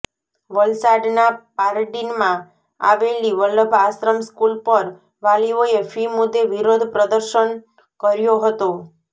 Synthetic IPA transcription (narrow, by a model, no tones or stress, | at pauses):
ʋəlsaɖnapaɾɖinmã | a̰ʋeliʋələbʱasɾəmskulpəɾ | ʋalioefimud̪ʱːeʋiɾod̪ʱpɾəd̪əɾʃən | kəɾjoɦət̪o